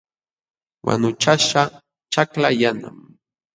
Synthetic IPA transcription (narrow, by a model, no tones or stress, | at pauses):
wa̰nʊt͡ʃaʃa | t͡ʃaklajana̰m